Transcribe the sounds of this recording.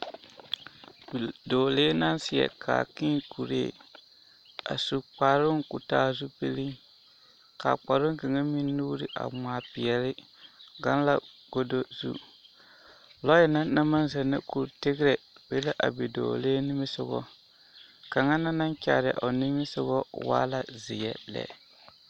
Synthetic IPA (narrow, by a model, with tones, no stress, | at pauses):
bdoː˨le˦na˦nsɪ˨ɛ̰˨kʰa̰˨ki˦ŋku˨ɾḛː˦˨ | a̰˨su˨k͡pa˨ɾʊ˦ŋku˨taː˦zu˦pe˦li˦ŋ | ka̰˨k͡pa˨ɾʊ˦ŋ˦ke˨ŋa˦mi˦nː˦uː˦ɾɪ˨ʔa̰˨m˨aː˨pɪ˨ɛ˨lɪ˦ | ɡa˦n˦la˦ɡ̥o˦do˦zṵ˦ | lɔ˦jɪ˨na˦na˦ma˦nzɛ˨nɨ̰˦ku˨ɾtɪ˦ɡɾɛ˨be˦la˦ʔa˨be˨do̰˨leː˦nɪ˦mɪ˦sʊ˨ɡɔ̰˦ | ka˨ŋa˦na˦na˦ŋt͡ʃʲa˨ɾɪ˨ʔɔ˨ni˦mɪ˦sʊ˦ɡɔ˦wa̰ː˦la˨zɪ˨jɛ˨lɛ̰˨